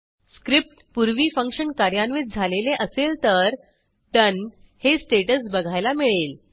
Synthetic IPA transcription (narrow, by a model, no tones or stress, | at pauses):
skɾip̚ʈpuɾʋiːfəŋkʂənkaɾjanʋit̪̚d͡zʱaleleʔəselt̪əɾ | ʈən | hesʈeʈəsbəɡʱajlamiɭel